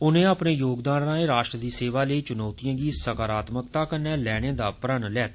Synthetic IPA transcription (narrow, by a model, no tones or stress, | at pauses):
ʊnẽːaːpɳeːjoːɡd̪aːnãːẽːɾaːʃʈɾəd̪iːseːʋaːləiːt͡ʃʊnɔːt̪ijãːɡiːsəkaːɾaːt̪mək̚t̪aːkənɛ̃ːlɛːɽ̃ẽːd̪aːpɾənlɛːt̪ː